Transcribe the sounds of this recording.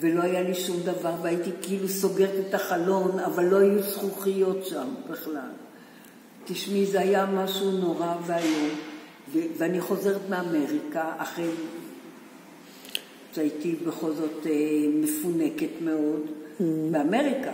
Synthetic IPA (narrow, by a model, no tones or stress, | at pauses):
ve̞lo̞ajaliʃumd̪avaʁveait̪ikiiluso̞ɡe̞ʁet̪etaχalo̞navalːo̞ajusχuχijo̞tʃambiχla̰l | tiʃmizeajamaʃuno̞ʁaveaju | veveaniχo̞ze̞ʁet̪meame̞ʁikaaχe | ʃait̪ibeχo̞lzo̞t̪emefune̞ke̞t̪me̞o̞dbeame̞ʁika